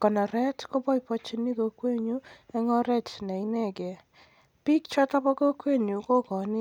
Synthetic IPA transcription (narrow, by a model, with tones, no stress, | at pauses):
kɔ˨nɔ˨ɾɛ˦tko˦bɔ˦i˨pɔ˦t͡ʃi˦ni˦ko˨˦kwe˦ɲu˦ɛ˦ŋɔ˦ɾɛ˦˨tnɛ˨i˦nɛ˦˨ɡɛ˨ | pi˦kt͡ʃɔ˦tɔ˦pɔ˦ko˦kwe˦˨ɲu˨ko˦kɔ˨nɪ˦